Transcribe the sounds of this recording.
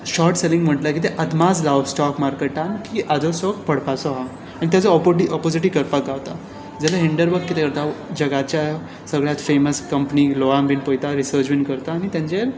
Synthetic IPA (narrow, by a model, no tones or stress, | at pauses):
ɕɔɾʈselĩŋɡm̤əʈləkit̪eʔəd̪mad͡zlaʋsʈɔkmaɾkeʈankiʔad͡zɔsʈɔkpʰəɽpasɔɦa | aɽ̃it̪jat͡sɔɔpoʈiɔpod͡ziʈiːkəɾpakɡaʋt̪a | d͡zalaɦiɳɖəɾʋəɾkːit̪ekəɾt̪ad͡ʑəɡat͡ɕja | səɡɭjat̪feməskəmpnilɔambiːnpojt̪aɾisəɾt͡ɕʋinkəɾt̪aːɽ̃it̪jãɲt͡ɕel